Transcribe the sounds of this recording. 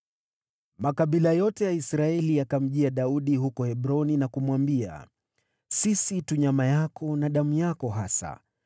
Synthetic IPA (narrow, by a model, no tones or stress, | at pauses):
makaɓilajɔtɛjaisɾaɛliakam̩ʄiaɗauɗiɦukɔhɛɓɾɔninakumwambia̰ | sisituɲamajakɔnaɗamujakɔɦasa̰